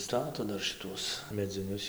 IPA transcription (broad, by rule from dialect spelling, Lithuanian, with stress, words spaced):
ˈstɑːtoː ˈdɐr ʃʲɪˈtuɔs mʲɛd͡zʲɪˈnʲʊs